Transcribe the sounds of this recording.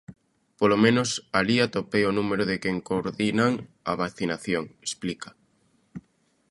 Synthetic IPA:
polomẽnosaliat̪opejonũmeɾoðekeŋkoɾðinaŋaβaθinaθjoŋesplikḁ

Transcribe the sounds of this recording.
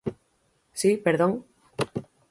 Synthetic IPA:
sipeɾðõŋ

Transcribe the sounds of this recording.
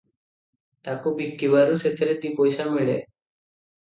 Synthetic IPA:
t̪akobikːiβaɾuset̪ʰeɾed̪ipojʃamiɭḛ

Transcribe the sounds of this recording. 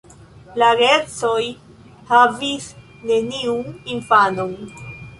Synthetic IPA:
laɡet͡so̞j | havis | ne̞niuninfanon

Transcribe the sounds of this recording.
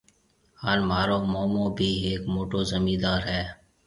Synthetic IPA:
haːnmaːɾoːmoːmõːbʱiːeːkmoːʈoːzəmiːd̪aːɾɦɛː

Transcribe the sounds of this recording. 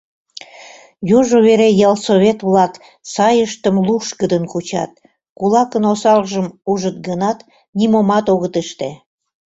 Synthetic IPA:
juʒoβeɾejɑlsoβʲet̪βlɑk | sɑjəʃt̪əmluʃkəd̪ənkut͡ɕɑ̰t̪̚ | kulɑkənosɑlʒəmuʒət̪̚ɡənɑt̪ | nimomɑt̪oɣət̪eʃt̪e

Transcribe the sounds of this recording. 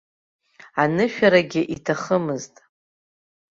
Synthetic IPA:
anɨʃᶣaɾaɡʲɪʔitʰaχəmɨztʼ

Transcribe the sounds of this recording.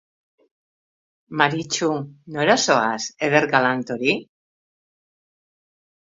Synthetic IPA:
maɾit͡ʃunoeɾasoaseðeɾɣalant̪oɾi

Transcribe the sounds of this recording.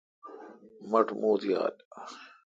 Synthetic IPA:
mɐʈʰmoːt̪ʰija̰ːl

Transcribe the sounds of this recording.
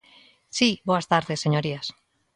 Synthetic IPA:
siboast̪aɾðesːeɲoɾias

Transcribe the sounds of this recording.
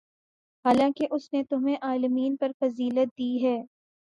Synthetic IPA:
haːlãːkeʔʊsnet̪ʊm̤ẽʔaːlɪmiːnpɐɾfɐziːlət̪̚d̪iːɦɛː

